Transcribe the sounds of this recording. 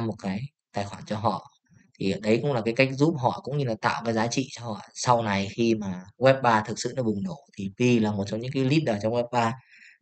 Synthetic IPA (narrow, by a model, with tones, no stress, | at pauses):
mo˨˩t̚kaː˨˦j | t̪aː˨˩jxwaː˧˩nt͡ɕɔ˧ɦɔ̰˧˨ | t̪ʰi˨˩ə˨˩ɗə˨˦jkʊ̰˧˥ŋ͡mlaː˨˩kaː˨˦jka˦˥jk̟̚zu˦˥p̚ɦɔ̰˧˨kʊ̰˧˥ŋ͡mɲɨ˧laː˨˩t̪a̰ː˧˨wkaː˨˦jzaː˨˦t͡ɕḭ˧˨t͡ɕɔ˧hɔ̰˧˨sa˧wna˨˩jxi˧maː˨˩wɛ˦˥p̚ɓaː˧t̪ʰɨ˨˩k̚sɨ̰˧˨nɔ˨˦ɓɨ˨˩ŋno˧˩t̪ʰi˨˩vi˧laː˨˩mo˨˩t̚t͡ɕɔ˧ŋ͡mɲɨ̰˧˥ŋkaː˨˦jli˦˥t̚ɗəː˨˩t͡ɕɔ˧wŋ͡mwɛ˦˥p̚ɓaː˧